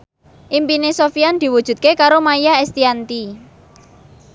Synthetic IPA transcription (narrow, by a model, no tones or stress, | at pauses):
ʔimpinesofiand̪̥i̤wud̥ʒ̥ṳt̪̚kekaɾomajaɛst̪iant̪i